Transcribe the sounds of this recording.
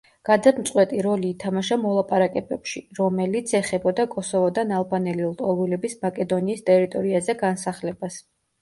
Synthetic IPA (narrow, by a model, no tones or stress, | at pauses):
ɡ̥ad̪ad̪mt̪sʼqʼwɛt̪ʼiɾɔliːt̪ʰamaʃamɔlˠapʼaɾakʼɛbɛpʃiɾɔmɛlit̪sʰɛχɛbɔd̪akʼɔsɔvɔd̪analˠbanɛlilˠt̪ʼɔlˠwilɛbismakʼɛd̪ɔniːst̪ʼɛɾit̪ʼɔɾiazɛɡansaχlɛbas